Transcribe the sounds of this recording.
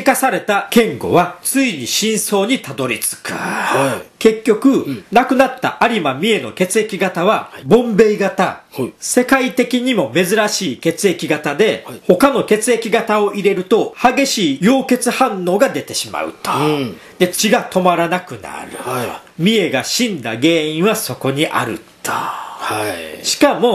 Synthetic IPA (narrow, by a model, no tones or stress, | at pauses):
ikasaɾe̞t̪akẽ̞ŋɡo̞̰βat͡sɨiɲ̟iɕĩɰ̃so̞ːɲ̟it̪ad̪o̞ɾʲit͡sɨ̥kɯ̥̰ | ke̞kʲːo̞kɯ̟nakɯ̟nat̪ːa̰ʔaɾʲimamʲie̞no̞̰ke̞t͡sɨe̞kʲiɡat̪aβabõ̞mbe̞iɡat̪ase̞kait̪e̞kʲiɲ̟imo̞me̞zɨɾaɕiːke̞t͡sɨe̞kʲiɡat̪ad̪e̞ho̞kano̞ke̞t͡sɨe̞kʲiɡat̪ao̞ʔiɾe̞ɾɯ̟t̪o̞haɡe̞ɕiːjo̞ːke̞t͡sɨhãnːo̞ːɡad̪e̞t̪e̞ɕima̰ɯ̟̰t̪ | d̪e̞t͡ɕiɡat̪o̞maɾanakɯ̟na̰ɾɯ̟̰mʲie̞ɡaɕĩnd̪a̰ɡe̞ːĩɰ̃βaso̞ko̞ɲ̟iʔa̰ɾɯ̟̰t̪o̥ | ɕi̥kamo̞